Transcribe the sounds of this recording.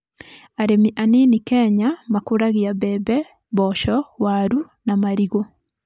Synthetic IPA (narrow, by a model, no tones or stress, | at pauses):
aɾemiʔaninikɛɲamakoɾaɣiabɛbɛ | βɔʃɔwaɾu | namaɾiɣo